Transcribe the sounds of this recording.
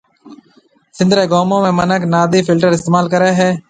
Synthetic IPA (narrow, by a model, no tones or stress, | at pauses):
sɪ̃nd̪ɾeːɡoːmõːmẽːmənəknaːd̪iːfɪlʈəɾɪst̪eːmaːlkəɾeːɦɛː